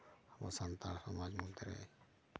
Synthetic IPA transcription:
həmsənt̪aɾsəmad͡ʒmut̪eɾɛ̰

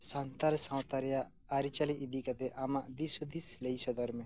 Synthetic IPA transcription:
sant̪aɾsãwt̪aɾjaː | ɾit͡ʃaliʔːd̪ikat̪eʔamad̪isud̪isleisɔd̪ɔɾme

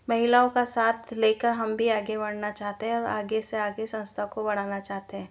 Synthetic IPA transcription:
mɐɦɪlaːõkasaːt̪ʰleːkəɾɦɐmbʱiaːɡebɐɽ̤nat͡ʃaːɦt̪eɦɛ̃ɔːɾa̰ːɡeseaːɡesɐ̃nst̪ʰakobɐɽ̤aːnat͡ʃaːɦt̪eɦɛ̃ː

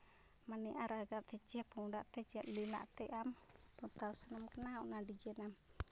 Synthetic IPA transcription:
maniʔaɾaɡaʔt̪ɛt͡ʃiapəŋudaʔt̪ɛt͡ʃiaʔlila̰ʔt̪ɛʔamt̪ut̪ausanamkənaunadid͡ʒɛnam

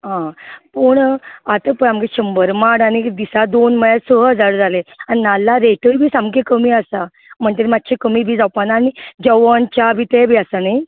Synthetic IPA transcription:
ɦãpəɳat̪əpəɳamkeɕəmbəɾmaɽañid̪isad̪onməjasəəd͡zaɾd͡zaleaninalːaɾeʈəɾbʱiːsamkekəmiːasa | m̤əɳt̪eɾmat̪ːt͡ɕʰekəmiːbʱiːd͡zawpanaːnid͡ʑəʋənt͡ɕabʱit̪ebʱiːasanaj

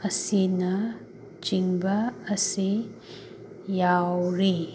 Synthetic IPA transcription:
ɐsinɐ | t͡ʃiŋbɐːsi | jawɾi

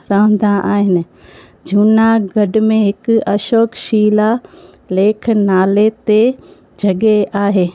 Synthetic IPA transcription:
ɾəɦə̃nd̪ãʔaːɦɪnɪ̆ | d͡ʑʱuːnaɡɐɖmẽɦɪkʊɐʃoːkʃiːla | leːkʰnaːlet̪e | d͡ʑʱɐɠeaːɦeː

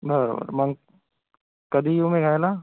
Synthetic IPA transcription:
bɐɾ̰bə̰ɾmɐŋ | kɐd̪ʱijũmẽɡʱaːela

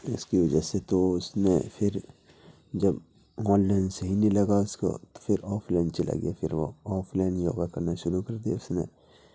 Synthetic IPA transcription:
ʊskiʋɐd͡ʒaset̪oʊsnepʰɪɾ | d͡ʒɐb | ɔ̃ːllɛ̃ːnɖseɦinilɐɡaʊsko̰t̪o̥fʰɪɾɔːpʰlɛ̃ːɳɖt͡ʃɐlʔa̰ɡḭja̰pʰɪɾʋo̰ɔːpʰlɛ̃ːɳjo̰ːɡakɐɾnaʃʊɾukɐɾd̪iḛʊsnḛ

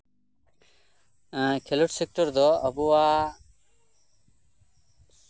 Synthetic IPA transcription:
kʰeluʈsek̚ʈɔɾd̪ɔɐbuaː

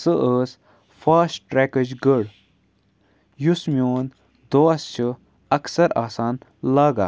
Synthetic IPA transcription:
səʔəːs | faːsʈɾɛːkəd͡ʒɡəɽ | jusmioːn | d̪oːst͡ʃʰi | ɐksɐɾaːsaːnlaːɡa̰ː

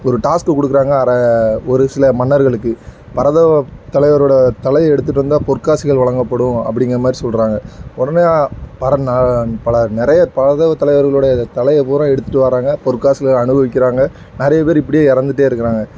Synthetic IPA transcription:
ɔɾɯʈaːskɯkɔɽɯkːɯɾaːŋɡɐːɾɐɔɾɯsɪlɐmɐnːɐɾɣɐɭɯkːɯ | pɐɾɐðɐʋɐt̪ːɐlɐɪʋɐɾoːɽɐt̪ɐlɐjɐɛɽɯt̪ːɯʈːɯɾɯnd̪aːpɔɾkːaːsɪɣɐɭʋɐɭɐŋɡɐpːɐɽɯ̃ɐ̰pːɐɽɪŋɡɐmaːd̪ɾisɔlɾaːŋɡɐɔɽɐneapɐɾɐnɐpɐɭɐnɪɾɐjɐpɐɾɐðɐʋɐt̪ːɐlɐɪʋɐɾɣɐɭoːɽɐɐt̪ɐlɐjɐpoːɾãːɛɽɯt̪ːɯʈːɯʋaːɾaːŋɡɐpɔɾɯkːaːsɪɣɐɐɳɯbɐʋɪk̬ʲːɪɾaːŋɡɐ | nɛɾɐjɐpeːɾɪpːɐɽɪjeːɪɾɐnd̪ɯʈ̬ːeːɪɾɯkːɪɾaːŋɡɐ

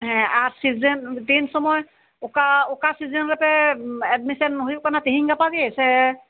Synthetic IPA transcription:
ɦɛ̃aɹsizɛntinsɔmɔj | ʊkaʊkasizɛnɹapɛɛdmisɔnɦojkanatiɦiŋɡapaɡɛsɛ

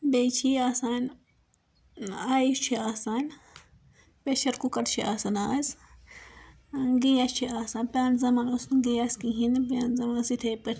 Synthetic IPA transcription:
bejt͡ʃʰiaːsaːn | aːjit͡ʃʰiaːsaːn | peʃɐɾkukɐʈt͡ʃʰiʔaːsanaːz | ɡijast͡ʃʰiaːsaːnpʲaːnzɐmaːnosnɡijaskiɦinpaːnzɐmansit̪ʰepɐʈʰ

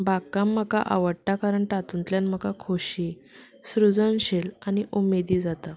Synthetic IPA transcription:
bakamːəka̰ʔa̰ʋəɽʈakaɾəɳʈat̪unt̪ljanm̤əkakʰoɕi | sɾud͡zənɕelaniʔumed̪iːd͡zat̪a

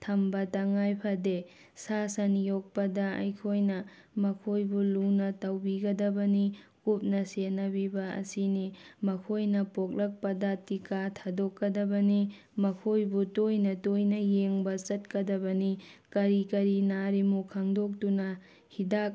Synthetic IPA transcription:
tʰɐmbɐtɐŋajpʰade | sasɐnjok̚pɐdɐɐ̰jkʰojnɐ | mɐkʰojbulunɐtɐwbiɡɐdɐbɐni | kup̚nɐsenɐbibɐɐ̰sinimɐkʰojnɐpok̚lɐk̚pɐdɐtikatʰadokːɐdɐbɐni | mɐkʰojbutojnɐtojnɐjeŋbɐt͡ʃɐt̚kɐdɐbɐnikɐɾikɐɾinaɾimukʰɐŋdok̚tunɐ | hidak̚

